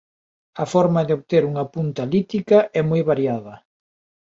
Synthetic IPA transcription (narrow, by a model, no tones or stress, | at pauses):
ɐfɔɾmɐðɪoβt̪eɾuŋɐpunt̪ɐlit̪ikɐʔɛmojβaɾjaðɐ